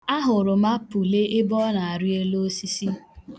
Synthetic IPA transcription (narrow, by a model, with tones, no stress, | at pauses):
a˦ɦʊ˨ɾʊ˨ma˦pu˨le˦ʔɪ˦bɔ˦na˨a˨ɾi˦e˦lo˦si˦si˦